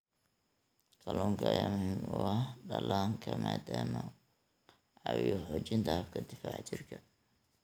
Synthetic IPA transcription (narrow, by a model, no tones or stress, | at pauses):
kʰɐlɔːŋkʰɐjamʊhiːmʊɐhɖɐlaːŋkʰɐmaːd̪aːmɔ | ʕɑwɔħɔːt͡ʃɪnt̪ʰɐhɐbkʰɐd̪ɪfaːʕt͡ʃʰɪrkʰɐ